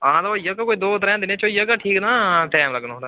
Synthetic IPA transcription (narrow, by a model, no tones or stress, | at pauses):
ãːd̪aojəkakoːid̪oːʊt̪ɾɦɛ̃ːd̪ɪnẽt͡ʃoːijəkaʈʰiːknaːʈɛːmləɡnɦõːd̪aː